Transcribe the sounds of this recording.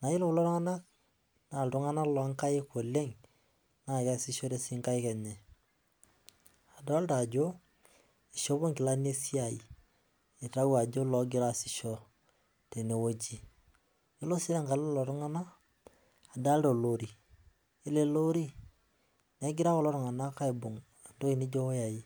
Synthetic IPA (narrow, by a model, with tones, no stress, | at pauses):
na˨jɪ˦lʊ˨lɔ˦ɾʊ˦ŋa˦na˦k̚ | na˨ltʊ˦ŋa˦na˦lɔ˨a˦ŋka˦jɪ˦ko˨le˦ŋ | na˨ja˦sɪ˦ʃɔ˦ɾe˦sɪ˦ŋka˦ɪ˦kɛ˨ɲɛ˨ | a˨da˦lta˨d͡ʒo˦ | i˨ʃo˦bo˦ŋkɪ˨la˦ne˦si˦a˨jḭ˨ | e˨ta˦wa˨d͡ʒo˦lɔ˨ɡɪ˦ɾa˦˨sɪ˨ʃɔ˦ | te˨ne˨wo˦d͡ʒi˦ | jo˦lo˦si˦ɾe˦ŋka˨llɔ˨ɾɔ˦ŋa˦na˦ | a˨da˦lto˨lo˨ɾi˨ | e˦le˦lo˦ɾi˦ | ne˨˦ɡɪ˦ɾa˦ko˦˨lɔ˦ɾŋa˨na˦ka˦i˨bo˨ŋ | a˨ndo˦ki˨ni˦d͡ʒo˦ja˨ji˦